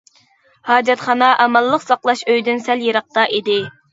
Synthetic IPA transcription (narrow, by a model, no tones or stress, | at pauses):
hɑːd͡ʒɛt̪χɑnɑʔɛmɑlˠːəqsɑqlˠɑʃøjd̪ynsæljeɾɑq̚t̪ɑʔid̪ɪ